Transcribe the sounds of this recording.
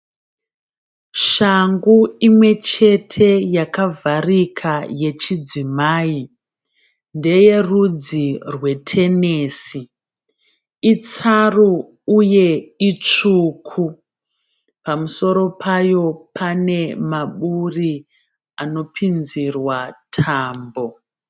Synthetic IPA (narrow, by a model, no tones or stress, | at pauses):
ʃaŋɡuimwe̞t͡ʃe̞tʰe̞jakavʱarikʰaje̞t͡ʃid͡zimaːi | nde̞je̞rud͡zirwe̞tʰe̞ne̞ːsi | it͡saruː | je̞it͡ʂuːkʰu | pamuso̞ɾo̞pʰajo̞pʰane̞maɓuri | ano̞pʰinzirwatʰaːmbo̞